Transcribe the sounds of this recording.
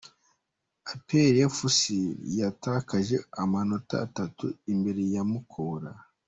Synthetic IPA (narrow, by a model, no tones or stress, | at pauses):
apeɾefusijatakaʒe̞amano̞ta̰ːtatuimbe̞ɾe̞jamukʰoɾa